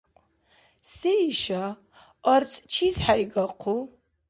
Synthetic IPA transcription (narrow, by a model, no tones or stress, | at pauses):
seiʃa | ɐrt͡sʼt͡ʃʰizħaiɡɐqʰu